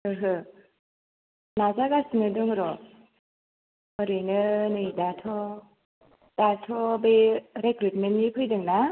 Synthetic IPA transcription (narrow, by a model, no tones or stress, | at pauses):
ɯɦɯ | nazaɡasɯnɯdɯŋɾɔ | mɔɾɯnɯnɯjdatʰɔ | d̥atʰɔbeɾekɾit̚mennipʰɯjdɯŋna